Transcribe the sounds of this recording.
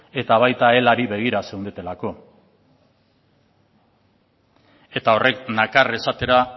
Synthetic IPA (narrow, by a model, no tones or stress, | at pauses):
e̞t̪aβ̞ajt̪ae̞laɾiβe̞ɣ̞iɾase̞wnd̪et̪e̞lako̞ | e̞t̪ao̞re̞knakare̞sat̪e̞ɾa